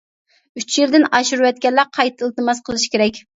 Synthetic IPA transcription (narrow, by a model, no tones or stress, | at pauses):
yt͡ʃjeɾd̪ɪnɑʃuɾuwɛt̪̚kʲɛlːæqʰɑjt̪ʰːɨlˠt̪ɨmɑsqʰəlˠɨʃi̥kʲeɾɛkʲ